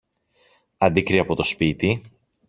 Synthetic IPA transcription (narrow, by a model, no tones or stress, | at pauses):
ɐnd̪ikɾiɐpo̞t̪o̞spit̪i